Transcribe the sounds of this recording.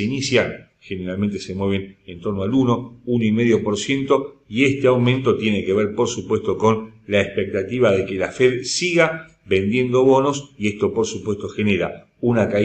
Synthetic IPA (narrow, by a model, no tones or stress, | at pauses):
einisjan | xene̞ɾalment̪e̞se̞mwe̞βe̞nent̪o̞ɾnoaluno̞uno̞ime̞ðjo̞po̞ɾsje̞nt̪o̞ie̞st̪eawmẽnt̪o̞t̪jeneke̞βeɾpo̞ɾsupwe̞st̪o̞ko̞nlaespek̚t̪at̪iβaðe̞kelafeðsiɣa | βe̞nd̪je̞nd̪o̞βo̞no̞sie̞st̪o̞po̞ɾsupwe̞st̪o̞xeneɾa | unaka